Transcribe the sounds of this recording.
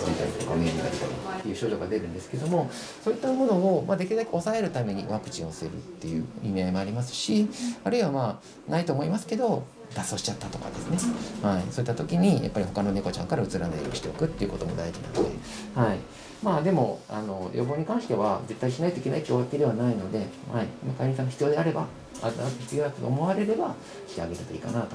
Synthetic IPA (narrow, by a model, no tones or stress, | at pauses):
set̪a̰it̪okameɲid̪a̰ɾɯ̟t̪oka̰t̪ːe̞jɯ̟ɕoʑo̞ɡad̪e̞ɾɯ̟̃nd̪e̞sɨ̥ke̞d̪o̞mo̞ | so̞ːit̪ːamo̞no̞omʔad̪ekʲiɾɯd̪akʲeo̞sae̞ɾɯ̟t̪ame̞ɲ̟ḭβakɯ̟̥t͡ɕĩo̞sɨeɾɯ̟̰t̪ːe̞jɯ̟̰imʲiaimo̞aɾʲimasɨ̥ɕiaɾɯ̟iβama | nait̪o̞ːmo̞imasɨ̥ke̞d̪o̞ | d̪aso̞ːɕi̥t͡ɕat̪ːat̪o̞ka̰d̪e̞sɨne̞haiso̞it̪ːat̪o̞kʲiɲ̟ija̰pːaɾʲihɦo̞kano̞ne̞ko̞t͡ɕã̰ŋkaɾaɯ̟t͡sɨɾaneoɕi̥t̪e̞okɯ̟t̪ːe̞iɯ̟ko̞t̪o̞mo̞d̪aiʑinã̰nod̪e | hai | maːd̪e̞mo̞a̰no̞jʔo̞boːɲ̟ikãɰ̃ɕi̥t̪e̞βaze̞t̪ːaiɕinait̪o̞ikeaikʲioɡaked̪e̞βanaino̞d̪e̞ | haimakaiɲʲĩs̬ãŋːaçi̥t͡sɨjo̞d̪eaɾe̞ba | aaat̪oçi̥t͡sɨjoːd̪at̪ot̪eomo̞βaɾe̞ɾe̞ba | kʲi̥t̪eaɡe̞t̪et̪oḭkanat̪o